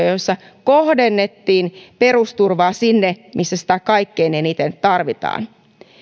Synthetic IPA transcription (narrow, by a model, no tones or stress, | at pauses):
josːɑ | kohdenːet̪ːiːnperust̪urʋɑːsinːemʔisːæsĭ̥t̪ækɑikːeineniːt̪enyt̪t̪ɑrʋit̪ɑ̰ːn